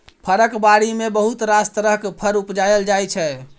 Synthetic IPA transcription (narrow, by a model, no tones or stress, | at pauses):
pʰəɾəkbaɽimebəɦut̪ɾast̪ɾəɦkpʰəɾupd͡ʒajəld͡ʒajt͡ʃʰɛ